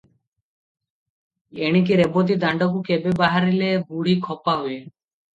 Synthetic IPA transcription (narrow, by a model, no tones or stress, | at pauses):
eɽ̃ik̬iɾebot̪̬id̪aɳɖɔkukebebaɦaɾileɡuɽ̤ikʰɔpaɦuje